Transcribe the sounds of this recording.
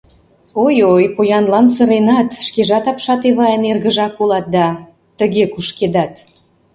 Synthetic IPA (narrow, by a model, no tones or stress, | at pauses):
ojojpojɑnlɑnsəɾenɑt̪ʃkeʒɑt̪ɑpʃɑt̪eβɑjeənerɣə̆ʒɑkolɑt̪̚d̪ɑ | t̪əɣekuʃked̪ɑt̪